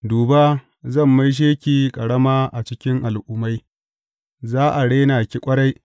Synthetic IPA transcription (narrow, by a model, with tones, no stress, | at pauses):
duː˨baː˦ | zɐ˦˨mːa˦jʃ̬eː˦kʲiː˨kʼɐ˨ɽɐ˦maː˦ʔa˨t͡ʃɪ˦kʲɪ˦ŋʔa˨lʔuː˨ma˦j | zaː˦ʔa˨ɽeː˦naː˨kʲi˦kʷʼɐ˦ɽa˦j